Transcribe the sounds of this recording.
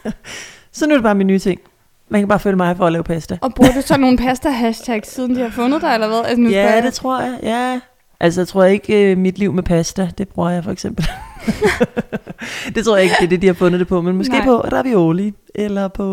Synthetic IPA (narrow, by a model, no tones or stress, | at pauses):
sɒnuɐd̥eb̥ɑ̈ːminːyːt͡sʰe̝ŋ̰ | mænkʰæb̥ɑ̈ːføːləmɑ̈ɪfɒ̽ːlɛːʊpʰæsd̥æɒb̥ʁuɐd̥usɒno̝ːn̩pʰæsd̥æɦæɕtʰæɡ̥sːiːð̞ˠn̩d̥ihɑ̈fɔ̽nð̩ˠd̥eelɐʋæðˠæsjæd̥e̝t͡sʰʁo̝ɐ̰jɑ̈ɪjæ | ʔælsəjat͡sʰʁo̝ɐ̰jɐe̝ɡ̥ømid̥liʊ̰mepʰæsd̥æd̥e̝b̥ʁuɐ̰jɑ̈ɪfɒeɡ̥sem̰b̥l̩ | d̥e̝t͡sʰʁo̰ɐ̰jɑeɡ̥əd̥eɐd̥e̝d̥ihɑ̈fɔ̽nð̩ˠd̥e̝pʰɒ̽menmɔse̝̰ːpʰɒ̽ʁ̥ɑʋ̥iɔːli | ʔelɐpʰɒ̽